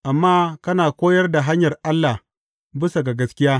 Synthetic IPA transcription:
ʔa˨mːaː˦kɐ˦naː˨kʷoː˦jɐ˦rda˨ɦa˦ɲjɐ˨rʔa˦lːa˨h | bɪ˦sa˨ɡa˨ɡɐ˦skʲɪ˦jaː˦

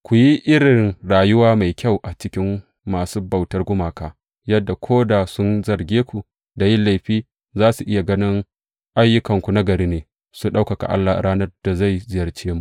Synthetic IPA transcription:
kʷu˨ji˦ʔɪ˦ɽɪ˨ŋɽaː˨jʊ˦waː˦ma˨jkʲa˦wʔa˨t͡ʃɪ˦kʲɪ˦mː | aː˨suː˦bɐ˨wtɐ˦rɡʷʊ˦maː˨kaː˨ | jɐ˦dːa˨kʷʰoː˦da˨sʊ˦nzɐ˨rɡʲeː˦kʷu˨ | da˨jɪ˦la˦˨jɸiː˦ | zaː˦su˨ʔɪ˦ja˨ɡɐ˦nɪ˦ŋ | ʔa˦jːʊ˦kɐ˨ŋkʷu˨na˦ɡɐ˨ɾiː˦neː˨ | su˦ɗa˦wkɐ˨ka̰˨ʔa̰˦lːa˨ɾʔaː˦nɐ˦rd̥a˨za˦˨jzɪ˦jɐ˨rt͡ʃeː˦mu˨

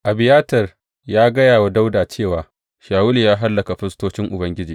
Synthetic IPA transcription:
ʔa˨bɪ˨jaː˦tɐ˨r | jaː˦ɡɐ˦jaː˨wa˦da˦wdaː˨t͡ʃeː˦˨waː˨ | ʃaː˨wʊ˦li˨jaː˦ɦa˦lːɐ˨ka˨ɸɪ˦stoː˦t͡ʃɪ˦ŋʔʊ˨bɐ˦ŋɡʲɪ˦d͡ʒiː˨

